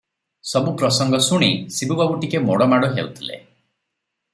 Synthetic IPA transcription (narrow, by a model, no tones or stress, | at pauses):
sɔbupɾɔsɔŋɡɔsuɽ̃isibubabuʈikemɔɽɔmaɽɔɦḛut̪ʰilḛ